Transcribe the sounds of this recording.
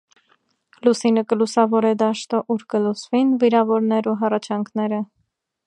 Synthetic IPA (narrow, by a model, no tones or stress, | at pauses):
lusinəkəlusɑvɔɾɛd̪ɑʃt̪ɔʔuɾkəlut͡svinviɾɑvɔɾn̪ɛɾuɦɑrɑt͡ʃʰɑŋkʰnɛɾə